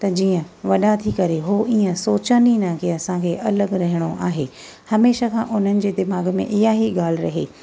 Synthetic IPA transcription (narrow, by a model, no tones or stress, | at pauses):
t̪ɐd͡ʑiːə̃ | ʋɐɗat̪ʰikɐɾeɦoʔiːə̃soːt͡ɕəninə̃kʰeɐsãkʰeʔɐləɡɾɐɦɪɽ̃oʔaːɦeː | hɐmeːʃakʰã̰ːʔʊn̤ənɪ̆d͡ʑeːd̪ɪmaːɡmḛ̃ʔɪɦaɦiɠaːlɪɾɐɦeː